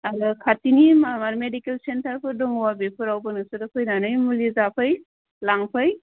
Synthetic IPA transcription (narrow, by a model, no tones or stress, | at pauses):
aɾɯkʰatinimamaɾmedikelsentaɾpʰɯdɔŋwabepʰɯɾawbɯnɯsɯdakʰojnanɯjmulizapʰɯj | laŋpʰɯj